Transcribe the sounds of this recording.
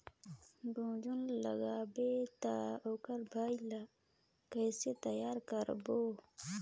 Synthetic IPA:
ɡũːd͡ʒunlɐ̰ɡaːbet̪aokɐɾbʱaːila | kəjset̪ɐjaːɾkəɾbo

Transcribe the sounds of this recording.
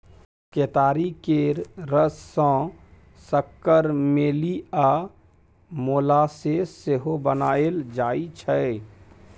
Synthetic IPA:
keːt̪aːɾikeɾɾəsːɔ̃ː | səkːəɾmeːliaː | moːlaseseɦobənaːeld͡ʒaːit͡ʃʰɛ

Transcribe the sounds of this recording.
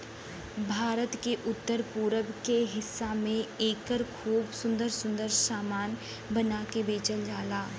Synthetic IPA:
bʱaːɾət̪keʔʊt̪ːəɾpuːɾəbkeɦɪsːamẽeːkəɾkʰuːbsʊ̃nd̪əɾsʊ̃nd̪əɾsaːmaːn | bɐnaːkebeːt͡ʃəld͡ʒaːlaː

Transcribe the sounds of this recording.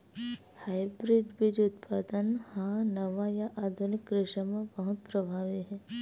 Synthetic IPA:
haːibɾɪɖbʱid͡ʒʊt̪pʰaːd̪ənhãnɐʋajaʔaːd̪ʱʊnɪkɡɾɪʃəmẽbəɦʊt̪̚pɾəbʱaːʋiɦɛː

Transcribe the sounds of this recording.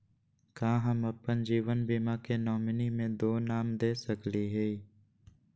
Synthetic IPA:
kãːɦəməpːənd͡ʒiːʋənbimakenɔːmɪnimẽd̪oːnaːmd̪eːsəkliɦe

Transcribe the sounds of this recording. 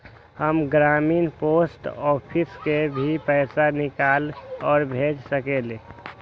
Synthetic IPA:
həmɡɾaminposʈɔpʰiskebʱipəɪsanɪkalɔːɾbʱed͡ʒsəkele

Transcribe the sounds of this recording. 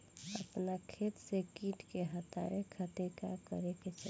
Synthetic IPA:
əpnakʰet̪sekiʈkeɦət̪a̰ɾekʰət̪eka̰kə̰ɾeket͡ʃʰə

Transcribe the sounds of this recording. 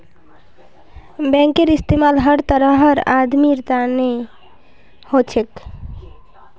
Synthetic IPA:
bɛ̃ŋkeɾist̪emalɦəɾt̪əɾəɦəɾad̪miɾt̪ane | hot͡ʃʰek

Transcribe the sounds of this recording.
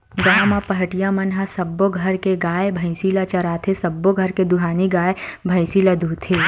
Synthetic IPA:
ɡaːmãpɐɦəʈijamɐnɦasɐbːoɡʱɐɾkeɡaːebʱɐɪsilat͡ʃɐɾaːt̪ʰesɐbːoɡʱɐɾked̪ʊɦaːniɡaːebʱɐɪsilad̪ʱuːt̪ʰeː

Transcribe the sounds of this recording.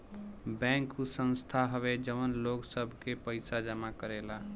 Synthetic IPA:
bɛ̃ːŋkusə̃nst̪ʰaɦəʋed͡ʒəʋənloɡsəbʱkepəɪsad͡ʒəmakəɾela

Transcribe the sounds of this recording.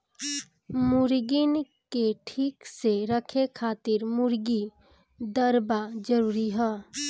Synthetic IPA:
mʊɾɡɪn | keʈʰiːkseɾəkʰekʰaːt̪ɪɾmʊɾɡi | d̪əɾbad͡ʒəɾuːɾiɦɛː

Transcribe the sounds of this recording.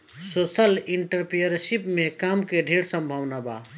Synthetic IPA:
sosəliɳʈəɾpijəɾʃipmekamkeɖʱeɽsə̃mbʱəʋnaba̰

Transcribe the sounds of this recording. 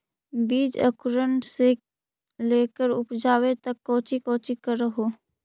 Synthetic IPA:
biːd͡ʒə̰kʊɾəɳʈse | leːkəɾʊpd͡ʒaːwet̪əkːɔ̃ːt͡ʃikɔ̃ːt͡ʃikəɾəɦoː

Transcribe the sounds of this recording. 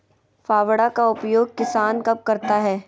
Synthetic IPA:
faːʋɽakaʊpjoːɡ̚kɪsaːnkɐb̚kɐɾt̪aɦɛː

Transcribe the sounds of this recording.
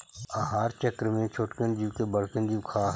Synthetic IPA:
aɦaːɾt͡ʃəkɾmẽt͡ʃʰʊʈkənd͡ʒiwkebəɽkənd͡ʒiʋkʰaː

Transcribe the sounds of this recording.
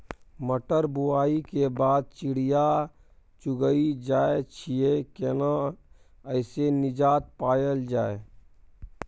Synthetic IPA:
məʈəɾbʊaːikebaːd̪̚t͡ʃɪɽija | t͡ʃʊɡəid͡ʒaːet͡ʃʰiekena | əɪsenɪd͡ʒaːt̪̚paːjəld͡ʒaːe

